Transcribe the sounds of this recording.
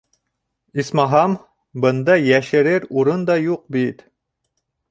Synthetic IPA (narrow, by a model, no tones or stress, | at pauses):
ismɑɦɑm | bɤ̆nd̪ɑjæʃɘ̆ɾɘɾuɾɤnd̪ɑjuq̚bit̪